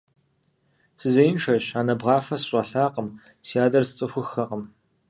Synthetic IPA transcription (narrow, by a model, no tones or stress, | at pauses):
sɨzɐjnʈ͡ʂʰɐɕaːnɐbʁɑːfɐsɕʷʼɐɬaːqəm | sijaːdɐrsɨt͡sʼɨxʷʊxɐqəm